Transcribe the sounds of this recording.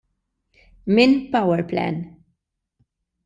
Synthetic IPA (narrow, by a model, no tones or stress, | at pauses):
minpɐwɛɾplɛ̰n